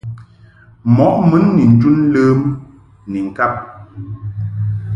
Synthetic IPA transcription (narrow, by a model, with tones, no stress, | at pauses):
mɔ˨˦ʔ̚mə˨˦nːi˨n̩˨d͡ʒu˦n˦ləː˦m | ni˨ŋ̩˨ka˦p̚